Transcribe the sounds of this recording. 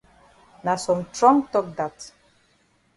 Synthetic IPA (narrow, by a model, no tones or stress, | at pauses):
nasɔ̃mtɹɔ̃ŋtɔk̚d̪at